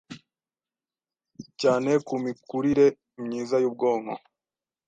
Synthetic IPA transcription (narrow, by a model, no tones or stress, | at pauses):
caːne̞kumikuɾiɾe̞ | mɲiːzajuːb̚ɡo̞ːma